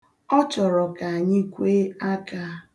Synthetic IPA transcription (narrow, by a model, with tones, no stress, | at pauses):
ɔ˦t͡ʃɔ˨ɾɔ˨ka˨ɲi˦kʷe˦a˦ka˦